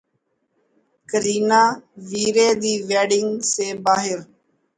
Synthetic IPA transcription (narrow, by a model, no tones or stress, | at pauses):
kəɾiːnaːʋiːɾeːd̪iːʋɛːɖɪŋɡseːbaːɦɪɾ